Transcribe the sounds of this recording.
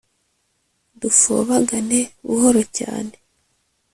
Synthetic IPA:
dufo̰βaɡane̞βṵhoɾo̞ca̰ːne

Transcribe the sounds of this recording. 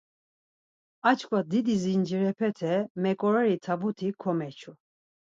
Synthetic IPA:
at͡ʃʰkʼwad̪id̪izind͡ʒiɾɛpʰɛt̪ʰɛmɛkʼɔɾɛɾit̪ʰabut̪ʰikʰɔmɛt͡ʃʰu

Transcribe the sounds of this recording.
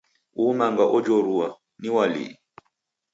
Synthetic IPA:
umaŋɡaʔɔd͡ʒɔɾua | niwalḭ

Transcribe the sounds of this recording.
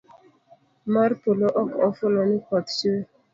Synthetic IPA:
marpoloʔɔkɔfʊlɔnɪkɔtt͡ʃe

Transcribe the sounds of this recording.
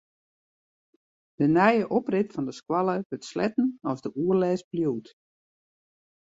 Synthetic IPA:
d̥ənɛjəʔoprɪtfɔndəskwɑlˠəʋøtslɛ̰tn̩ɔzdəʔuərlɛːsbljuːt

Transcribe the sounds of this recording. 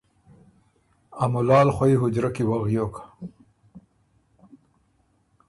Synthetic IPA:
amʊlɑːlxwaiɦʊd͡ʑɾakiwaɣjokḁ

